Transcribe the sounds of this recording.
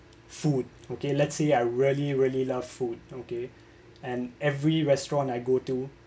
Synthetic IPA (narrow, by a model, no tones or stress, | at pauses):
fud̚okelɛtseaɪɹiəliɹiəlilav̥fud̚oke | ɛ̃nɛvɹiɹɛstɹɔ̃naɪɡotu